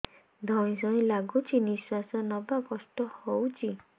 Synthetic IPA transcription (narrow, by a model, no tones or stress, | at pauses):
d̪ʱɔɽ̃ĩs̬ɔĩlaɡut͡ʃʰiniswasɔnɔbakɔsʈɔhowt͡ʃʰi